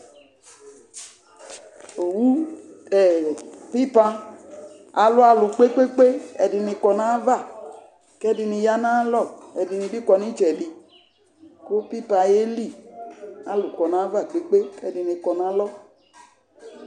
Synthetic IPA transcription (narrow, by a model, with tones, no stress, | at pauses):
o˨wu˦ɛ˨pi˦pa˧ | a˨lu˦a˨lu˨k͡pe˦k͡pe˦k͡pe˦ɛ˨di˨˧ni˧kɔ˧nã˦va˦˨ | kɛ˦di˧ni˧ja˦nã˦lɔ˦˨ɛ˨di˨ni˨˧bi˦kɔ˧ni˦t͡ʃɛ˨di˨ | ko˦pi˦pa˧je˦li˦˨ | a˦lu˨kɔ˨na˨˦va˦˨k͡pe˨k͡pe˦kɛ˦di˨ni˧kɔ˨nã˦lɔ˦˨